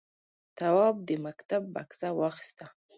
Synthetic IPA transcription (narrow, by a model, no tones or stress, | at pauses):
t̪awɑb̚d̪əmakt̪abːa̰ksawɑxi̥st̪a